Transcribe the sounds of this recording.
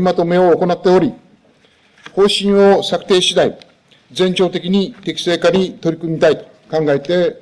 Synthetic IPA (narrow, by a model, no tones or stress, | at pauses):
mat̪o̞me̞oːko̞nat̪ːe̞o̞ɾʲi | ho̞ːɕĩɰ̃osakɯ̥t̪e̞ːɕid̪ai | d͡zẽ̞ɲ̟t͡ɕo̞ːt̪e̞kʲiɲ̟it̪e̞kʲi̥se̞ːkaɲ̟it̪o̞ɾʲikɯ̟mʲit̪ait̪o̥ | kãŋɡaet̪e̞